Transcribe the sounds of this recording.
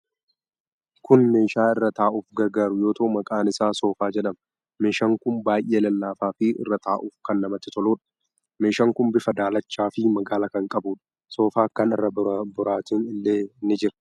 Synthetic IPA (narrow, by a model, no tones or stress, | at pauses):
kʊnme̞ːʃaːɪrːɐt̪aːʔʊfɡɐɡaːɾʊjo̞ːt̪oʔmɐkʼaːnɪsaːso̞ːfaːd͡ʒɛᶑɐm | me̞ːʃɐŋkʊnbaːjʔe̞ːlɐlːaːfaːfɪʔɪ̰rːɐt̪ʰaːʔʊːfkɐnːɐmɐt̪ːɪt̪ɔloːᶑɐ̥ | me̞ːʃɐŋkʊmbɪfɐd̪aːlɐt͡ʃːaːfɪmɐɡaːlɐkɐŋkʼɐbuːᶑɐ̥ | so̞ːfaːkɐnɪ̰rːɐbʊɾaːt̪ɪnɪlːe̞ːnɪd͡ʒɪɾɐ